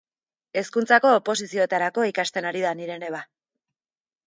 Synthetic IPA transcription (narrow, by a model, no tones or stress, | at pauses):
e̞skunt͡sako̞ːpo̞sisio̞e̞t̪aɾako̞ikast̪e̞naɾiðaniɾe̞ne̞β̞a